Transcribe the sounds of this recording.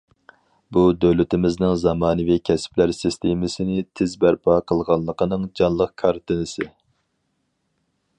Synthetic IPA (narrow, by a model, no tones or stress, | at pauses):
bud̪ølɪt̪ɪmɪznɪŋzɑmɑːnɨvikʲʰɛspʰlæɾsist̪ʰemɪsɪnɪt̪ʰɪzbæɾpʰɑqʰəlˠʁɑnlˠəqʰənɨŋd͡ʒɑnlˠəqkʰɑɾt̪ʰɨnɪsɪ